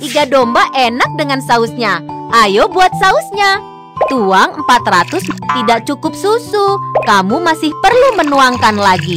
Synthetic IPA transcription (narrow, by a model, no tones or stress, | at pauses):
ʔiɡadombaʔenak̚dəŋansaʊsɲaʔajobuat̪̚saʊsɲa | t̪uaŋəmpat̪rat̪ʊst̪idaʔ̚t͡ʃukʊp̚susukamumasɪhpərlumənuaŋkanlaɡi